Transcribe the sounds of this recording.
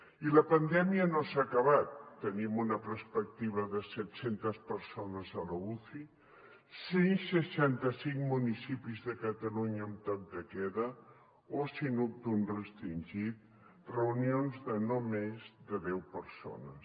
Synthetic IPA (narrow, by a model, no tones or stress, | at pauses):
iləpənd̪ɛmiənosaːkəβat̪ːənimunəpəɾspək̚t̪iβ̞əðəsɛt̪sent̪əspəɾsonəzələuθi | sensəʃant̪əsiŋmunisipizðəkət̪əluɲəunt̪ɔk̚d̪əkɛðə | osinup̚t̪unrəst̪ɾinʲʒit̪̚ | rəunionzðənomezðəðɛwpəɾso̰nəs